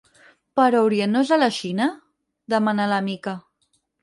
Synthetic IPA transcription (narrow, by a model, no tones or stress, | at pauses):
pəɾowɾjenozalaʃina | ðəmanalamika